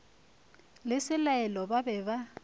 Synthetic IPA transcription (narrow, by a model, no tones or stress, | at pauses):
lɪsɪlaɛlɔbabɛba